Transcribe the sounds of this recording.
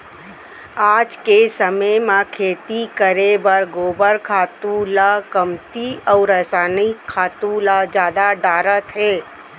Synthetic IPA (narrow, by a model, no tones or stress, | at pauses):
aːd͡ʒkesəməmãkʰeːt̪ikəɾebəɾɡoːbəɾkʰaːt̪ũlakəmt̪iɔːɾəɦsaːnikʰːaːt̪ũlad͡ʒjaːd̪aɖaːɾət̪ɦɛː